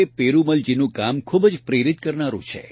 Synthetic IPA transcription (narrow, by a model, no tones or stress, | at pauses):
epeɾuməld͡ʒinũkamkʰubd͡ʒpɾeɾit̪̚kəɾnaɾṵ̃t͡ʃʰḛ